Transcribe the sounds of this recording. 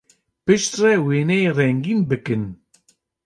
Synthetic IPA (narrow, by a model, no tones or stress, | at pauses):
pɨʃt̪rɛweːnɛerɛŋɡiːnbɨkɨn